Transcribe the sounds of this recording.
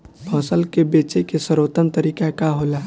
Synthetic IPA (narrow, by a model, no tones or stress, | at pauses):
bʰʱɔːsəlkebeːt͡ʃekesəɾoːt̪ənt̪əɾiːkakaɦola